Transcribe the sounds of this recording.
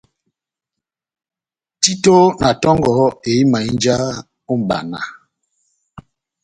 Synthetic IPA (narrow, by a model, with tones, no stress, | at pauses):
ti˦to˦na˨tɔ˦ŋɡɔ˨˦e˨i˦ma˨i˦nd͡ʒa˦ | u˦m̩˨ba̰˨na̰˨